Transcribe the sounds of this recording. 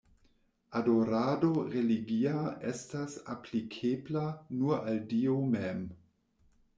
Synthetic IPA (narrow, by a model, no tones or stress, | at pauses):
adoɾadoɾeliɡiaestasaplikʰeblanualdiomem